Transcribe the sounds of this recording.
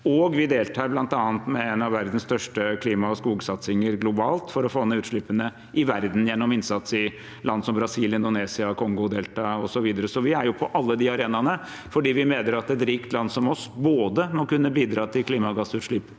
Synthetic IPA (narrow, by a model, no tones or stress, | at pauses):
ɔɡʋɪd̪eːlt̪ʰɑːɾblɑnt̪ɑːnt̪mɛɛnɑʋæɾd̪n̩st̪œʂʈəkʰliːmɑɔskuːɡsɑt̪sɪŋəɾɡlʊbɑːlt̪fɔɾɔfoːɛnəʉːt̪ʂɭɪpːənə | ʔɪʋæɾd̪n̩jɛnːɔmɪnsɑt̪sɪ | lɑnd̪sɔmbɾɑsiːljənd̪ʊneːsɪɑkʰɔŋɡʊd̪eːlt̪ɑɔsɔʋiːd̪əɾəsɔʋɪæɾjʊpʰɔʔɑlːəd̪iːɑɾeːnɑnə | fɔɖiːʋɪmeːd̪əɾɑt̪ɛt̪ɾiːkt̪lɑnsɔmɔsboːd̪əmɔkʉnːəbiːd̪ɾɑːt̪ʰɪlkʰliːmɑɡɑsʉːt̪ʂɭɪpː